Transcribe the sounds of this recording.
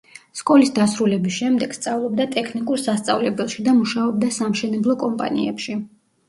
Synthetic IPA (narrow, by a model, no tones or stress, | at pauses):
skʼɔlisd̪asɾulɛbisʃɛmd̪ɛɡ̥st̪sʼavlˠɔbd̪at̪ʼɛkʰnikʼuɾsast̪sʼa̰vlɛbɛlˠʃid̪amuʃaɔb̚d̪asamʃɛnɛblˠɔkʼɔmpʼa̰nḭɛpʃi